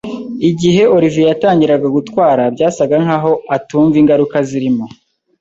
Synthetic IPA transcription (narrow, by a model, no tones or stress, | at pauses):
iɟiɦe̞ʔo̞ɾivijataːɲɟiɾaɡaɡutwaːɾabɟaːsaɡaŋ̥haːɦo̞atuːɱviŋɡaɾukaziɾimo